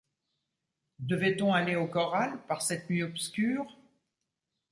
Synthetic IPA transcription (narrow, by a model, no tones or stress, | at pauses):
d̪əvɛt̪ɔ̃aleokɔʁalpaʁsɛt̪nɥiɔpskʲyːʁ